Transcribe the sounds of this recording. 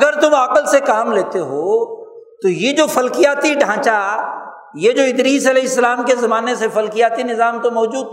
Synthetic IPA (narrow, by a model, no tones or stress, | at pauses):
ɡəɾt̪ʊmaːqəlsekaːmleːt̪eɦoː | t̪ojed͡ʒoːfɐlkijaːt̪iɖʱãːt͡ʃa | jed͡ʒoːɪd̪ɾiːsɐlɛːɦɪsːəlaːmkezɐmaːnesefɐlkijaːt̪inɪzaːmt̪omɔːd͡ʒuːd̪̚